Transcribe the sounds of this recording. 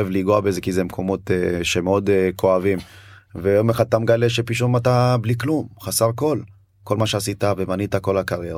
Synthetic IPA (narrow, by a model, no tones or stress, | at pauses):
evliɡoabeezekizemkʰo̞mo̞teʃemeo̞dkʰo̞avim | vejo̞meχad̪̚t̪amɡale̞ʃepiʃumatabliklumχasaʁko̞l | ko̞lmaʃeasitavemanitako̞lakaʁjeʁ